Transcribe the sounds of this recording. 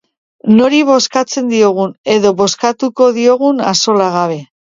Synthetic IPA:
no̞ɾiβ̞o̞skat͡se̞nd̪io̞ɣ̞une̞ðo̞βo̞skat̪uko̞ðio̞ɣ̞unaso̞laɣ̞aβe̞

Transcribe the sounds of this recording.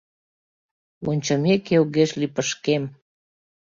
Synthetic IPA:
onʲt͡ɕəmekewɣeʃlipəʃkem

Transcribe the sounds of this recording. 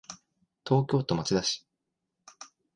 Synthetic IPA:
t̪o̞ːkʲo̞ːt̪o̞mat͡ɕid̪aɕi̥

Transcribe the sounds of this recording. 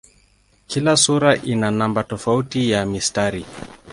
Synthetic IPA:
kilasuɾaʔinanambatɔfautijamistaɾi

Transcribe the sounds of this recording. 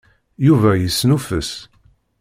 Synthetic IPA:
juvæjəsːnufəs

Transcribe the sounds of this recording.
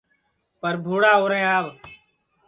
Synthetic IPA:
pəɾbʱuːɽaːoːɾẽːaːʋ

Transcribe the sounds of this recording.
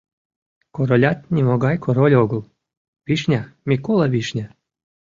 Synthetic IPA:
koɾolʲɑt̪̚nʲimoɡɑjkʰoɾolʲoɡəlˠ | βiʃnʲamʲikolɑβiʃnʲa

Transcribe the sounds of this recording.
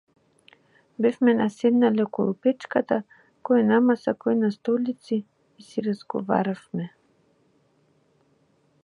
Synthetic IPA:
bɛfmɛnasɛd̪nalɛkoɾupɛt͡ʃkat̪a | kɔjinamasakɔinast̪ɔlit̪siː | siɾazɡo̰va̰ɾafmɛ

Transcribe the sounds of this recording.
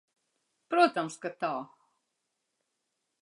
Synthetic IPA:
pɾot̪amskat̪a

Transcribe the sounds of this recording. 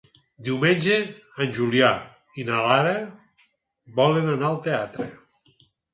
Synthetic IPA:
d̪iwmenʲʒe | anʲʒulja | inalaɾa | bɔlenanaalˠt̪eat̪ɾḛ

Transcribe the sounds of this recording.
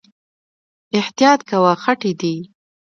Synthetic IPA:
ɪht̪ijɑt̪kawaxaʈid̪i

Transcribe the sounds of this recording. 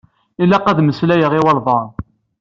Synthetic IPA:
ilæqæðməslæjəʁiwɑlˤvˤɑɾˤ

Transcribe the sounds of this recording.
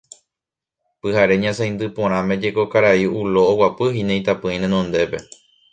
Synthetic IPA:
pɨhaɾe̞ɲãsãjnd̪ɨpõ̞ɾ̃ãmẽ̞d͡ʒe̞ko̞kaɾaiuloːwapɨɦinẽj̃t̪apɨ̃ĩnẽnõnd̪e̞pe̞

